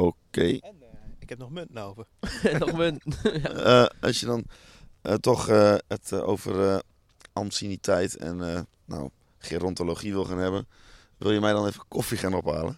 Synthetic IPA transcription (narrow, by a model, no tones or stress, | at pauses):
okeː | ɪkɛp̚nɔxmøntn̩owvərnmøntnəɔ̰sjədɔn | tɔxəəto̰ːvə̰rə | ʔamsinitʰɛjtɛ̰nə | na̰w | χiːnrɔntoloχiʋɪlˠxaːnɦɛbən | ʋɪlˠjəmɛjdɔnejvənkʰɔfiχaːnɔpaːlə̰